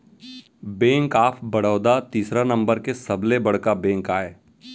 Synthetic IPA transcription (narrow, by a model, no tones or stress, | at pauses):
bɛ̃ːŋkaːpʰbɐɽ̤əːd̪at̪iːsɾanɐ̃mbəɾkesɐblebɐɽ̤kabɛ̃ːŋkaːeː